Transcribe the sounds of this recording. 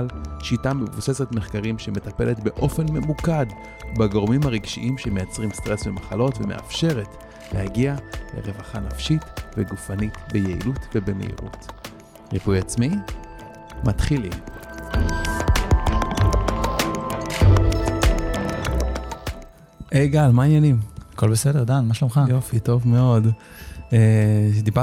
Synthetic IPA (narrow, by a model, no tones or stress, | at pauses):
lʃitamevuse̞setme̞χkaʁimʃeme̞tape̞letbe̞ʔo̞fe̞nme̞mukad | baɡoʁmimhaʁiɡʃiʔimʃemejat͡sʁimst̪ʁesvemaχalo̞tvemeʔa̰fʃe̞ʁe̞t | lehaɡialḛʁe̞vaχanafʃitveɡufanitbejeḭlutvebemḛʔḭʁṵt | ʁipujat͡smi | mat̪χilim | ʔejɡalmainjanimako̞lbesedeʁd̪anmaʃlomχajofito̞vme̞o̞d | ed̪iba